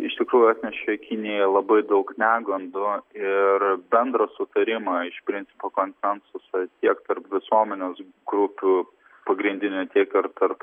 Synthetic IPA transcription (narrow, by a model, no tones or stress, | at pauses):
ɪʃt̪ʲɪkɾuːjʊɑːt̪ʲnʲɛʃʲɛkʲɪnʲɪjɛlˠɐbɐɪd̪ɐʊknʲæːɡˠɐnd̪ʊɪɾbʲɛnd̪ɾɐsʊt̪ɐɾʲɪmɑɪʃpʲɾʲɪnʲt̪sʲɪpoːkoːnʲsʲɛnsʊsɐt̪ʲiɛkt̪ɐɾpʋʲɪsuɔmʲɛnʲeːs | ɡɾʊpʲuː | pɐɡɾʲɪnʲd̪ʲɪnʲʊt̪ʲiɛkɪɾt̪ɐɾp